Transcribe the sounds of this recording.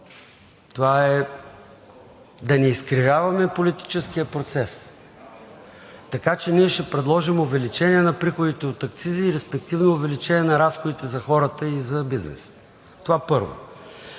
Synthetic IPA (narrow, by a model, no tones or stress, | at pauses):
t̪ovaɛ | d̪ɐnɛiskɾivʲjavɐmɛpolit̪i̥t͡ʃɛskijəpɾot̪sɛs | t̪ɐkat͡ʃɛniɛʃɛpɾɛd̪lˠɔʒimovɛlit͡ʃɛniɛnɐpɾixod̪it̪ɛot̪ɐkt̪siziːɾɛspɛk̚t̪ivnoːvɛlit͡ʃɛnʲiɛnɐɾasxod̪it̪ɛzɐxɔɾət̪əizɐbiznɛ̰s | t̪ovapɤɾvo̰